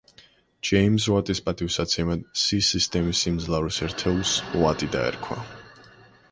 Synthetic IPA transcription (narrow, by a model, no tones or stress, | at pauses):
d͡ʒɛims̬wat̪ʼispʼat̪ʼifsat̪sʰɛmad̪sisist̪ʼɛmisimd̪zlˠavɾisɛɾt̪ʰɛulˠswat̪ʼid̪a̰ɛ̰ɾkʰwa̰